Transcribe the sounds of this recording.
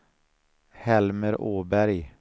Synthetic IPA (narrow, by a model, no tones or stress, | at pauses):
hɛlməɾʔoːbæɾj